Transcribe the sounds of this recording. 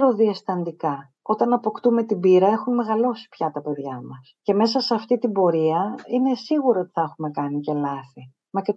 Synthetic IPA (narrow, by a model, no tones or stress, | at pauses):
ɾoðiɐsθɐnd̪ikɐ | o̞t̪ɐnɐpo̞kt̪ume̞t̪ibiɾɐe̞xunme̞ɣɐlo̞si̥pçɐt̪ɐpe̞ðʝɐmɐsce̞me̞s̬ɐseɐft̪it̪ibo̞ɾiɐine̞siɣuɾoot̪i̥θɐexume̞kɐnice̞lɐθi | mɐce